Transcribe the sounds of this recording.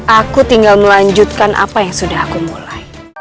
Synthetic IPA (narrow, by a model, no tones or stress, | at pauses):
ʔakut̪iŋɡalməlaɲd͡ʒut̪̚kanʔa̰pajaŋsudahkumulaj